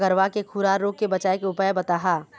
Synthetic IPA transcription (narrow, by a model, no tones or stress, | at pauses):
ɡəɾʋakekʰuɾaːɾɾoːk̚kebɐt͡ʃaːekeʊpajebɐt̪aːɦaː